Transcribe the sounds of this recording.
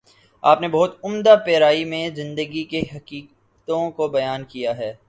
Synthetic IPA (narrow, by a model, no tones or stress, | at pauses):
a̰ːpnebɐɦʊt̪ʊmd̪apeːɾaːimẽzɪ̃nd̪əɡikeɦɐkiːk | t̪õkobɐjaːnkijaɦɛː